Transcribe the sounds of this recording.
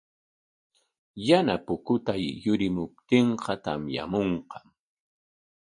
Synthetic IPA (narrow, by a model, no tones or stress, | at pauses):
janapʊkʊt̪ajːʊɾɪmʊp̚t̪eɴqʰɑt̪a̰mja̰moɴqɑ̥m